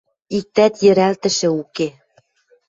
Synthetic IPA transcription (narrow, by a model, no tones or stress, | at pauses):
ik̚t̪æt̪jɘ̆ɾælt̪ɘ̆ʃɘ̆uke